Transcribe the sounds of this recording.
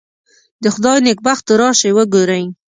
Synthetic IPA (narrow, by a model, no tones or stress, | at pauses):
d̪əxʊd̪ɑjnɪk̚baxt̪əɾɑʃewəɡoɾaj